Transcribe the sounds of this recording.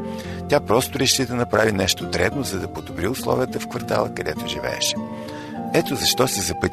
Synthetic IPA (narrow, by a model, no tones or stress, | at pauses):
t̪ʲjapɾɔst̪ʊɾɛʃid̪ɐnɐpɾavinɛʃt̪ot̪ɾɛd̪nozɐd̪ɐpod̪obɾiʊslˠɔ̰vʲiət̪əfkvɐɾt̪a̰lˠəkɐd̪ɛt̪oʒivɛ̰ːʃɛ̥ | ɛt̪ozɐʃt̪ɔsizɐpɤt̪ʲ